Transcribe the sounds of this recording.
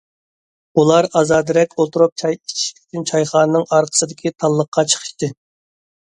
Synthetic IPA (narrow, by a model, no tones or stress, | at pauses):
ulˠɑɾɑzɑːd̪ɪɾɛkʲʰolˠt̪uɾup̚t͡ʃʰɑjit͡ʃʰi̥ʃlʲɪ̥kʲt̪ʰɪnt͡ʃʰɑjχɑːnɨnɨŋɑɾqʰə̥sɨd̪ɪkʲʰit̪ʰɑlˠːəqʰːɑt͡ʃʰə̥χʰə̥ʃt̪ɨ